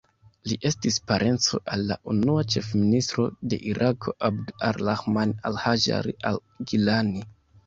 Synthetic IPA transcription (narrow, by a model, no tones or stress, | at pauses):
liʔe̞stispaɾʔe̞nt͡so̞̰ʔalːa̰ʔunuat͡ʃefministɾo̞de̞̰ʔiɾʔakʰo̞ʔabdaɾlaxmanalhaʒa̰ɾiʔal | ɡilani